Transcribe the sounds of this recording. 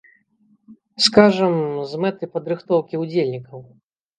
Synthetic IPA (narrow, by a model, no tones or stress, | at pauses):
skaʐɐmzmɛt̪ɨpɐd̪ɾɨxt̪ɔwkʲiud͡zʲelʲnʲikɐw